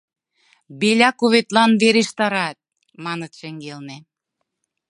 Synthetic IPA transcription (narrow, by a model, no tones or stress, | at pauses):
belʲɑkoβet̪lɑnβeɾeʃt̪ɑɾɑt̪̚ | mɑnət̪ʃə̆ŋɡelne